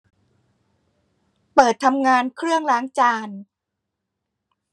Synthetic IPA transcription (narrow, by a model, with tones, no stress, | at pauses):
pɤː˨˩t̪ʰːa˧mŋaː˧nkʰɾɯ˥˩əŋlaː˦˥ŋt͡ɕaː˧n